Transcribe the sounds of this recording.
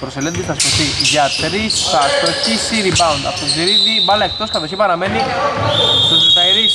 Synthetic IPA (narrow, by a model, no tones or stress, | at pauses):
pɾoselend̪isθɐsp̪osiʝɐt̪ɾisθɐst̪oçisiɾibɐund̪ɐ̰po̥t̪oziɾiðibɐlɐek̚t̪o̞skɐθosçipɐɾɐmeni | t̪ozit̪ɐiɾi